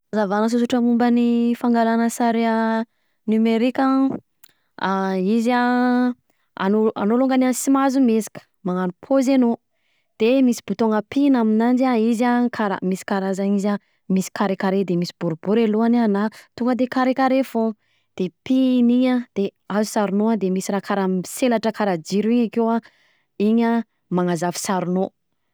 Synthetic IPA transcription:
zavanəs̬uzuʈ͡ʂəmumbənifaŋɡalanəsaɾea | nymeɾikʲa | aiza | a̰noa̰noluŋɡaniansimazumezi̥kʲə̥ | maŋanupʰozeno | d̪̥emisi̥b̥ut̪oŋɡəpinaminand͡ʒaizakʰaɾa̰misi̥kaɾazaniza | misi̥kaɾekaɾed̪emisi̥b̥uɾubuɾeluananat̪uŋɡəd̪ekaɾekaɾefo | d̪̥epiniɲad̪̥eazusaɾunoad̪emisiɾakʰaɾamiselaʈ͡ʂəkaɾad͡ʒiɾuiɲakewa | iɲə | maŋazavi̥saɾuno

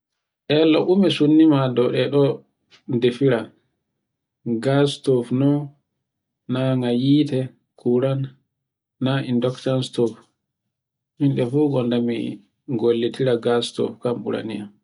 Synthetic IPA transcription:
ʔɛloʔumɛsunːimadɔɗɛɗɔ | ndefiɾa | ɡastɔfnɔ | aŋajiːtɛ | kʰuɾanː | aindɔktanstɔf | hinɗɛfuːɡɔndamḭ | ɡolːitʰiɾaɡastɔ̰fkamɓṵɾa̰niam

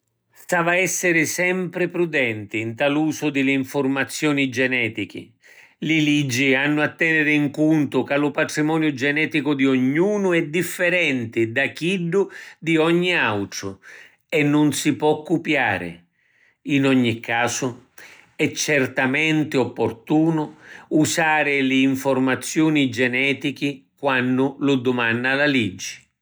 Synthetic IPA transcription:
st̪aːvaɛsːɪɾɪsɛmpɾɪpɾud̪ɛnt̪ɪːnt̪aluːsʊd̪ɪlɪiɱfʊrmat̪sːjɔːnid͡ʒɛnɛːt̪ik̟ɪ̰ | lɪlid͡ʒːianːʊat̪ːɛnɪɾɪiŋkunt̪ʊkalʊpaʈɾimɔːnjʊd͡ʒɛnɛːt̪ikʊd̪ioɲːuːnʊɛd̪ifːɛɾɛnt̪ɪd̪ak̟iɖːʊd̪iɔɲːiawʈ̪ɾʊ | ɛnːʊnsipwɔkːupjaːɾɪ̰ | inɔɲːikʰːaːsʊ | ɛt͡ʃːɛrt̪amɛnt̪ɪɔpːort̪uːnʊusaːɾɪlɪːɱfʊrmat̪sːjuːnid͡ʒɛnɛːt̪ikɪkwanːʊlʊd̪ʊmanːalalid͡ʒːɪ̥

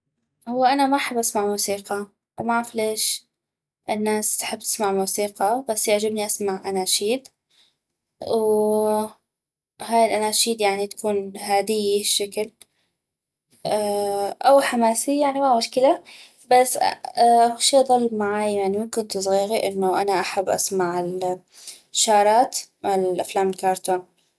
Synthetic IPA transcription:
hʊwːaʔanamaħabːʔasmaʕmuːsiːqɑ | wmaʕafileːʃ | ʔɪnːaːst̪ḁħɪbːt̪ɪ̥smaʕmuːsiːqɑbasːjaʕd͡ʒabniʔasmaʕʔanaːʃiːd̪ | w | haːjɪlʔanaːʃiːd̪jaʕnit̪ḁkuːnhaːd̪ɪjːiʃːakl | aʔawħamaːsijaʕnimamʊʃkɪla | basːaʃiːd̪ˤɑlːmaʕaːjjaʕnimɪmkɪnt̪sˤɣiːɾiʔɪnːʊʔanaʔaħabːʔa̰smaʕɪl | ʃːɑːɾˤɑːt̪ɪlʔaflaːmɪlkɑːɾˤt̪an

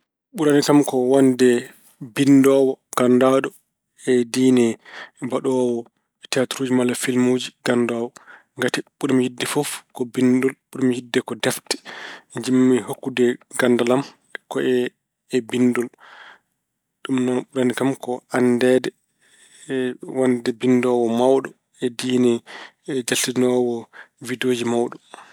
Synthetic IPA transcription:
ɓuɾanikamkɔwandɛ | bindɔwɔɡ̥andaɗɔ | ɛdinɛbaɗɔwɔ | tɛatuɾuːd͡ʒimalafilmuːd͡ʒiɡandɔːwɔ | ŋɡatiɓuɾamhidːɛfɔfkɔbindulɓuɾamhidːɛkɔdɛftɛ̥d͡ʒimːihokːudɛɡandalam | kɔʔɛː | bindul | ɗumnaɓuɾanikamkɔʔandɛdɛ | wandɛbindɔwɔmawɗɔ | ɛdinɛ | d͡ʒaltinɔwɔvidoːd͡ʒimawɗɔ

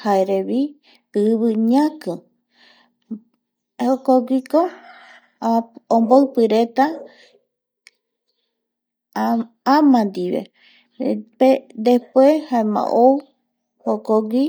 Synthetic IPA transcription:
haeɾeβi | ɨβɨɲãkɨ | hokoɡʷiko | omboɨpɨɾet̪a | amãnd̪iβḛ | ped̪ehpwehaemã̰ʔow | hokoɡʷi

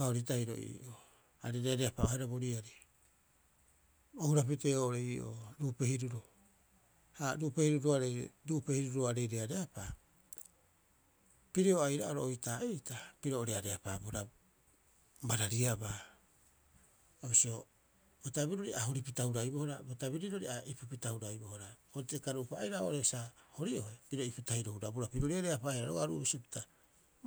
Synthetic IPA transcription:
kaoɾitajɾo̰ʔḭʔo | aɾeɾeaɾe̞apaohaɾabo̞ɾiaɾi | ohuɾap̬ite̞oɾeiʔo̰ɾuːpe̞hiɾuɾo | haɾupe̞hiɾuɾoaɾeɾuʔpe̞hiɾuɾoaɾe̞ɾeaɾe̞apa | piɾeoajɾaoɾoojtaijtapiɾooɾeaɾeapa̰buɾa | baɾaɾiaba | obisio̞ | botabiɾoɾiʔaɦoɾipitauɾajbohoɾabotabiɾiɾo̞ɾiaʔipipitauɾajbohoɾaoɾtekaɾupaːjɾaʔoʔoɾesahoɾiʔo̞epiɾoipitaiɾohuɾabuɾapiɾoɾiaɾeapaeɾaɾo̰aɾṵʔobisio̞pi̥ta

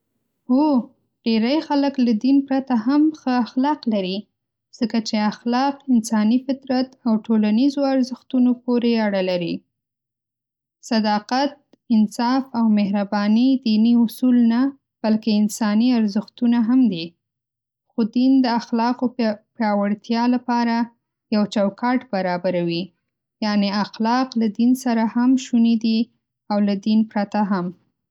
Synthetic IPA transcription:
o | ɖ̥eɾajxaləklad̪inpɾat̪aɦamxəaxlɑqlaɾi | z̥əkat͡ʃeaxlɑqɪnsɑnifɪt̪ɾat̪awʈolanizoaɾzəxt̪unopoɾeaɽalaɾi | sad̪ɑqat̪̚ | ɪnsɑfawmehɾabɑnid̪iniʊsulna | b̥alkeɪnsɑniaɾzɪxt̪unaɦamd̪i | xod̪ind̪əaxlɑqopjɑwaɽt̪jɑlapɑɾa | jawt͡ʃawkɑʈbaɾɑbaɾawi | jɑneaxlɑqlad̪insaɾahamʃunid̪i | awlad̪inpɾat̪aɦam

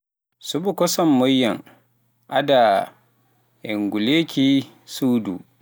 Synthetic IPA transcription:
subukɔsɔmːɔjːaŋ | ʔa̰da | ʔɛŋɡuleːkʰʲi | suːdṵ

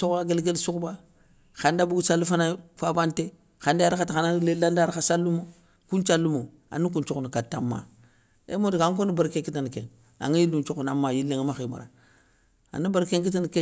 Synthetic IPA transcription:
sokaɡelɡelsukba | xandabuɡusalːufanafabante | xandaaɾikatixanalelandaɾasalːumo | kunt͡ʃalːumo | a̰nukunt͡ʃokunikatːa̰mːa̰ | ḛmodiɡaŋkonibaɾkekitanikḛŋ | a̰ŋijilːunt͡ʃokunamːajilːeŋamaxima̰ɾa̰ | a̰nibaɾkeŋk̬itanke

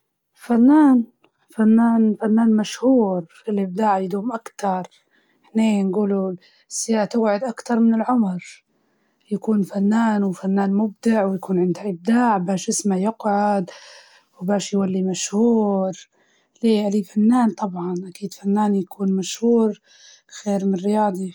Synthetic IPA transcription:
fanːaːn | fanːaːnfanːaːnmaʃhuːɾ | ɪlʔɪb̚d̪aːʕjɪd̪uːmʔakt̪ɑɾˤ | hneːnɡuːlu | sːɪjaːʔt̪ʊbʕʊd̪ʔakt̪ɑɾˤmɪnɪlʕʊmɾ | jakuːnfanːaːnwfanːaːnmʊb̚d̪ɪʕwjakuːnʕɪnd̪haʔɪb̚d̪aːʕbaːʃʔɪsmajʊqʕʊd̪ | wbaːʃjwalːimaʃhuuːɾ | leːʔalifanːaːnt̪ˤɑbʕɑnʔakiːd̪fanːaːnjakʰuːnmaʃhuːɾ | xeːɾmɪnrɪjɑːd̪ˤi

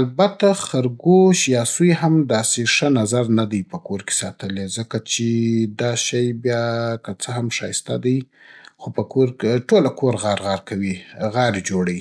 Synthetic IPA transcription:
albat̪axaɾɡoʃjɑsujɦamd̪ɑseʂənazaɾnad̪ajpəkoɾke̥sɑt̪əlezəkat͡ʃed̪ɑʃajbjɑkət͡səɦamʃɑ̰jɪst̪a̰d̪aj | xopəkoɾkeʈolakoɾɣɑɾɣɑɾkawiɣɑɾed͡ʒoɽaji

